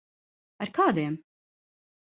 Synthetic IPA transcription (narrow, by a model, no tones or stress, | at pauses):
aɾkaːd̪iɛm